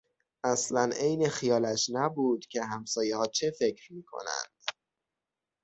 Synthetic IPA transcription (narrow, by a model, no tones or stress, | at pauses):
ʔæslænʔe̞jne̞xijɒːlæʃnæbuːd̪̥cʲʰe̞ɦæmsɒːjehɒːt͡ʃʰe̞fe̞cʰɾmiːkʰo̞̰næ̰nd̪̥